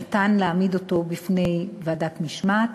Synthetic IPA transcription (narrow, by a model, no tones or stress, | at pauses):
t̪anleːmido̞to̞bifne̞jvaːdatmiʃmat